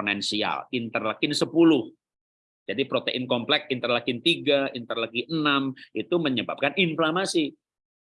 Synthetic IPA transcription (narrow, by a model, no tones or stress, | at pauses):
nɛnsia̰lint̪ərlakɪnsəpulʊh | d͡ʒadipɾot̪eʔɪnkɔmplɛk̚int̪ərlakɪnt̪iɡaint̪ərlaɡiənamʔit̪uməɲəba̰p̚kaninflamasi